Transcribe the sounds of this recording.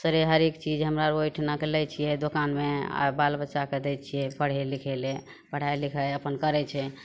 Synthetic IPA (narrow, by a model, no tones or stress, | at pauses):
səɾeɦəɾekt͡ʃid͡ʒɦəmɾaɾojʈʰnəklɛt͡ʃʰijɛd̪okanmḛbalbətːʃaked̪ɛt͡ʃʰijɛpʰəɽ̤elikʰɛle | pəɽ̤ajlikʰɛəpənkəɾɛt͡ʃʰɛ